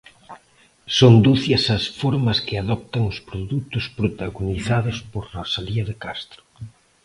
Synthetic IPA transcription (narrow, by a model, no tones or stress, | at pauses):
sond̪uθjɐsɐsfoɾmɐskɪaðɔp̚t̪aŋʊspɾoðut̪ʊspɾot̪aɣoniθaðʊspoɾrosaliɐðekast̪ɾʊ̥